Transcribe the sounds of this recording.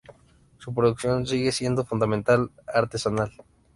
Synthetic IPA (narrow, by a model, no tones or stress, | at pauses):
supɾo̞ðuksjo̞nsiɣe̞sje̞nd̪o̞fund̪amẽnt̪alaɾt̪e̞sanal